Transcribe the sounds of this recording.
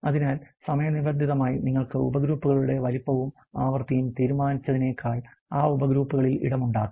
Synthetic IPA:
ɐðinaːlsɐmɐjɐniʋɐnd̪iðɐmaːjiniŋːɐɭkɨṵbɐɡɾuːpːuɣɐɭuɽe̞ʋɐlipːɐʋum | aːʋɐrt̪ijumt̪iːɾumaːnit͡ɕːɐðine̞ːkːaːɭaːubɐɡɾuːpːuɣɐɭilḭɽɐmuɳɖaːɣu

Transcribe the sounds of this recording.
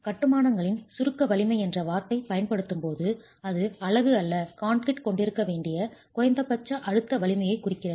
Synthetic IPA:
kɐʈːɯmaːnɐŋɡɐɭɪnsʊɾɯkːɐʋɐɭɪmɐɪɛndrɐʋaːɾt̪ɐɪpɐjɐnpɐɽɯt̪ːɯmpoːðɯ | ɐðɯɐɭɐɣɯɐlːɐkaːnɾɪʈkɔɳɖɪɾɯkːɐʋeːɳɖɪjɐkɔɐnd̪ɐpːɐt͡ʃːɐʔɐɻɯt̪ːɐʋɐɭɪmɐjɐɪkːʊrɪkːɪrɐð

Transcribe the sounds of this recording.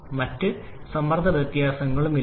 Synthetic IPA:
mɐtːɨsɐmːɐrd̪ʱɐʋɐt̪jaːsɐŋːɐɭumi

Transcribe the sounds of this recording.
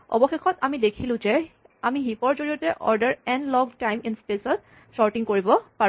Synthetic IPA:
ɔ̰bɔxexʰɔtamidekʰilʊ̃zɛ | amiɦipɔɹzoɹijɔtɛʔɔɹdaɹɛnlɔɡtajminspesɔt̚ | staɹtiŋkoɹibɔpa

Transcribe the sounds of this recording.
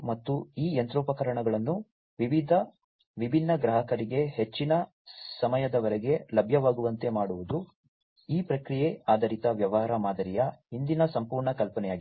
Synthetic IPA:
mɐt̪ːuiːɐnt̪ɾuːpɐkɐɾɐɳɐɡɐɭɐnːu | ʋiʋid̪ʱɐ | ʋibʱinːɐɡɾɐɦɐkɐɾiɡe̞het͡ʃːinɐ | sɐmɐjɐd̪ɐʋɐɾɛɡe̞lɐbʱjɐʋaːɡuʋɐnt̪emaːɽuʋud̪u | iːpɾɐkɾijeaːd̪ʱɐɾit̪ɐʋjɐʋɐɦɐɾɐmaːd̪ʱɐɾijɐɦind̪inɐsɐmpuːɾɳɐkɐlpɐnɛjaːɡi

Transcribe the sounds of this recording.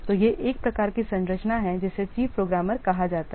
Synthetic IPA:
t̪oːjeʔʔeːk̚pɾɐkaːɾkisɐ̃nɾət͡ʃnaɦɛ̃d͡ʒɪset͡ʃiːpɾoːɡɾaːməɾkɐɦad͡ʒaːt̪a

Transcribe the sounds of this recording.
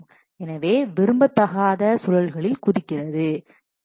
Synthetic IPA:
ɛnɐʋeːʋɪɾɯmbɐt̪ːɐɣaːðɐsʊɻɐlɣɐɭɪlkʊðɪkːɪrɐðɯ

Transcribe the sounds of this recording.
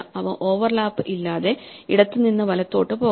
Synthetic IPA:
ɐʋɐʔo̞ːʋɐrlaːpːɨʔilːaːðe̞ | iɽɐt̪ːɨninːɨʋɐlɐt̪ːo̞ːʈːɨpo̞ː

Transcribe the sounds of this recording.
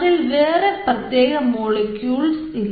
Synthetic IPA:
ɾilʋeːreprɐt̪jeːɣɐmːoɭekjuːɭsilː

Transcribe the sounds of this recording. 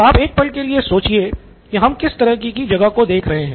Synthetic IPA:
aːpeːk̚pɐlkeliesoːt͡ʃie | kiɦɐmkɪst̪ɐɾəɦkikid͡ʒɐɡəkod̪eːkʰɾɐɦeɦɛ̃ː

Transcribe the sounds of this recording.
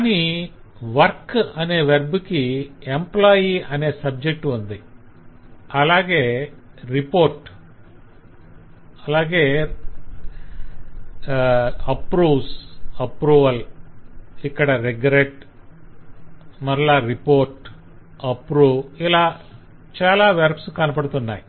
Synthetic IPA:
aːni | ʋɐɾkɐne̞ːʋeɾbukiemplaːjiɐne̞ːsɐb̚d͡ʒek̚ʈund̪i | ɐlaːɡe̞ː | ɾipoːɾʈ | ɐlaːɡeː | ɐpɾuːʋsɐpɾuːʋɐl | ikːɐɽɐɾeɡɾeʈ | mɐɾulaːɾipo̞ːɾʈ | ɐpɾuːʋilaː | t͡ʃaːlaːʋeɾpsukɐnɐpɐɽut̪unːaːji

